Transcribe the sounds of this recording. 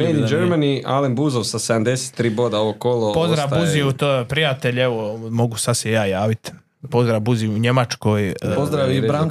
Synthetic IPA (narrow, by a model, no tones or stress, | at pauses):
menid͡ʒeɾmaniʔa̰lembuzoʋsased̪amd̪ese̥t̪ːɾiːboːd̪aoʋokolopozd̪ɾabuziut̪opɾijat̪e̞ʎeʋomo̞ɡusad̪sejaːjaːʋit̪ | po̞zd̪ɾabuziuɲe̞mat͡ʃko̞jpozd̪ɾaʋibɾaŋ